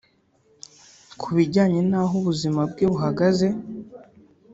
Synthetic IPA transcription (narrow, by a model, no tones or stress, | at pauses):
kʰuβiɟaːɲe̞naːɦuβuzimab̚ɡeːβuɦaɡaze̞